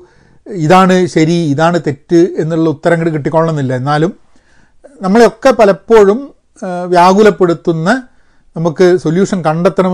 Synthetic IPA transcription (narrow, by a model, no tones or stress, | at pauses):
iðaːɳɨɕɐɾiːðaːɳɨt̪e̞tːue̞nːiuɭːɐut̪ːɐɾɐŋːɐɭkiʈːikʲːo̞ːɭːɐnːilːɐenːaːlum | nɐmːɐɭeo̞kːepɐlɐpːo̞ːɻum | ʋjaːɡulɐpːe̞ɽut̪ːunːɐ | nɐmukːɨsoljuːʂɐnkɐɳɖet̪ːɐɳɐm